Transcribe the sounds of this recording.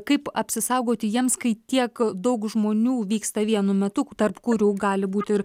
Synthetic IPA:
kɐɪpɐpʲsʲɪsɐʊɡoːt̪ʲɪjiɛmskɐɪt̪ʲiɛkd̪ɐʊkʒmoːnʲuːʋʲiːkst̪ɐʋʲiɛnʊmʲɛt̪ʊt̪ɐrpkʊɾʲuːɡɑːlʲɪbuːt̪ʲɪɾ

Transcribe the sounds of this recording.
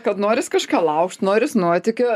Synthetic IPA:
kɐt̪noːɾʲɪskɑːʃʲkʲɑːlˠɐʊkʃt̪noːɾʲɪsnuɔt̪ʲɪkʲʊ

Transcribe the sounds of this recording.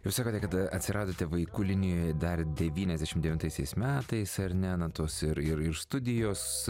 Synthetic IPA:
jɛʊsɑːkoːt̪ʲɛkɐt̪ɐ̰t̪ʲsʲɪɾʔɑːd̪oːt̪ʲɛʋɐɪkʊlʲɪnʲɪjoːjɛd̪ɐrd̪ʲɛʋʲiːnʲɛzʲd̪ʲæʃʲɪmd̪ʲɛʋʲɪnt̪ɐɪsʲɛɪsmʲæːt̪ɐɪsɐɾnʲɛnɐt̪oːsɪɾɪɾɪɾst̪ʊd̪ʲɪjoːs

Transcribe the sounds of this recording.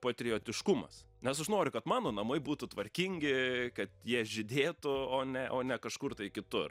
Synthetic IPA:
pɐt̪ʲɾʲɪjoːt̪ʲɪʃkʊmɐ̰s | nʲɛsɐʃnoːɾʲʊkɐt̪mɑːnoːnɐmɐɪbuːt̪ʊt̪ʋɐɾʲkʲiŋʲɡʲɪkɐt̪jiɛʒʲɪd̪ʲeːt̪ʊoːnʲɛʔoːnʲɛkɐʃkʊrt̪ɐɪkʲɪt̪ʊr

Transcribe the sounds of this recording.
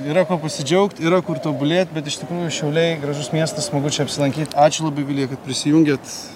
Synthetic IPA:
iːɾɐkoːpɐsʲɪd͡ʒʲɛʊkt̪iɾɐkʊɾt̪oːbʊlʲeːt̪̚ʲbʲɛt̪ɪʃt̪ʲɪkɾuːjʊʃʲɛʊlʲɛɪɡɾɐʒʊsmʲiɛst̪ɐssmɐɡʊt͡ʃʲɛɐpʲsʲɪlˠɐŋʲkʲiːt̪ɑːt͡ʃʲʊlˠɐbɐɪʋʲɪlʲiɛkɐt̪̚pʲɾʲɪsʲɪjʊŋʲɡʲeːt̪

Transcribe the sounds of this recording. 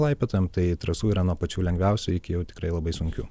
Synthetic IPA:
lˠɐɪpʲet̪oːjɛmt̪ɐɪt̪ɾɐsuːiːɾɐnuɔpɐt͡ʃʲuːlʲɛŋɡʲʋʲæˑʊsʲʊɪkʲɪjɛʊt̪ʲɪkɾɐɪlˠɐbɐɪsʊŋʲkʲuː

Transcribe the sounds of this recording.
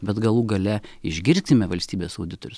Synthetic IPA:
bʲɛt̪ɡɐlˠuːɡɐlʲɛɪʒʲɡʲɪɾʲt̪ʲɪmʲɛʋɐlʲsʲt̪ʲiːbʲeːsɐʊd̪ʲɪt̪oːɾʲʊs

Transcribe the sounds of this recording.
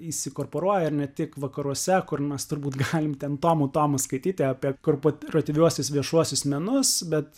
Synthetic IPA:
isʲɪkoːrpoːɾuɔjɛɪrnʲɛt̪ʲɪkʋɐkɐɾuɔsʲɛkʊrmʲɛst̪ʊɾbuːt̪ɡɑːlʲɪmt̪ʲɛnt̪oːmuːt̪oːmɐskɐɪt̪ʲiːt̪ʲɪɑːpʲiɛkorpoɔrot̪ʲɪʋʲuɔsʲʊsʋʲiɛʃuɔsʲʊsmʲɛnʊsbʲɛt̪

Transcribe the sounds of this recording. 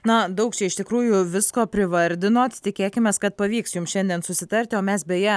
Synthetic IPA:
nɐd̪ɐʊkt͡ʃʲɛɪʃt̪ʲɪkɾuːjʊʋʲɪskoːpʲɾʲɪʋɐɾʲd̪ʲɪnoːt̪t̪ʲɪkʲeːkʲɪmʲeːskɐt̪̚pɐʋʲiːksjʊmsʃʲɛnʲd̪ʲiɛnsʊsʲɪt̪ɐɾʲt̪ʲɪoːmʲɛsbʲɛjɛ

